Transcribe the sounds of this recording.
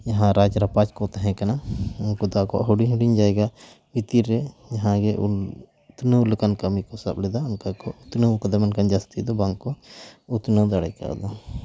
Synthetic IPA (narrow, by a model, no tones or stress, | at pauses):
jaɦãɾad͡ʒɾapat͡ʃkɔt̪ɛɦɛ̃kanakud̪akɔ̰ʔɦuɽiɲɦuɖiɲd͡ʒaɛɡa | bit̪iɾːɛd͡ʒaɦãɡɛʔṵ | t̪nəulkankɐmikɔsablɛd̪aunkakɔut̪nəkad̪amankand͡ʒast̪id̪ɔbaŋɡkɔut̪nəwd̪aɽajka̰ʔd̪a